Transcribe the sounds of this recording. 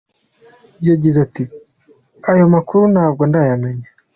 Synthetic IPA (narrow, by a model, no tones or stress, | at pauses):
jaɟizati | ajo̞makuɾunaːb̚ɡo̞ndajameɲa